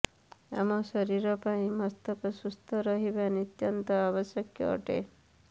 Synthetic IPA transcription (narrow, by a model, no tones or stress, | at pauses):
a̰mɔsɔɾiɾɔpaĩmɔst̪ɔkɔsust̪ʰɔɾɔɦibanit̪jɔnt̪ɔabɔsjɔkjɔ̰ːʈḛ